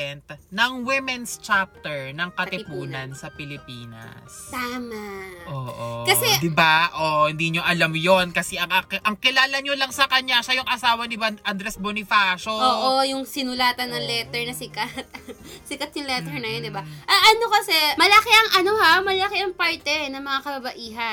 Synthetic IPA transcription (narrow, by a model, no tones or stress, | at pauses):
ɛnt̪̚nɐŋwɪmɛnst͡ʃap̚t̪ɛɹnɐŋkɐt̪ɪpuːnɐnsɐpɪlɪpiːnɐ̰saːmaʔoːʔkɐsɛd̪ɪbaʔoʔhɪnd̪iɲoʔɐlamjonkɐsɛʔɐŋʔɐʔɐŋkɪlaːlɐɲolɐŋsɐkɐɲaʃɐjʊŋʔɐsaːwɐnɪbɐʔɐnd̪ɾɛsbonɪfaːʃooːʔojʊŋsɪnʊlaːt̪ɐnːɐŋlɛt̪ɛɹnɐsɪkɐt̪̚sɪkɐt̪̚jʊŋlɛt̪ɛɹnɐjond̪ɪbaʔɐʔɐnokɐsɛmɐlɐkiʔɐŋʔɐnohamɐlɐlɐkiʔɐŋpaɹt̪ɛnɐŋmɐŋakɐbɐbɐʔiːɦɐ